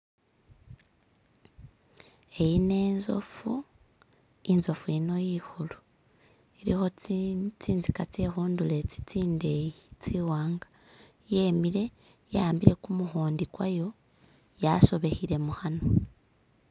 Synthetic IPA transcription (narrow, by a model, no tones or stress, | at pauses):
e̞jine̞ːnzo̞̰fu | inzo̞fuino̞jihulu | iɾḭxo̞t͡siːnzikat͡sexuːndule̞t͡si̥t͡siːnde̞jit͡siwaːŋɡḁ | jemiɾe̞ | jaaːmbiɾe̞kumuxoːndikwajo̞ | jaso̞βe̞hiɾe̞muhano̞